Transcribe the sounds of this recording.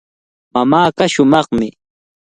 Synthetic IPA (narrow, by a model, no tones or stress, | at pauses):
mamaːɢaʃʊmɑχmɪ